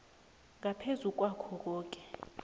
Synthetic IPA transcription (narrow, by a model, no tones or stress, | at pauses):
ŋapʰezuk̬ʼwakʰɔk̬ʼɔːk̬ʼɛ̥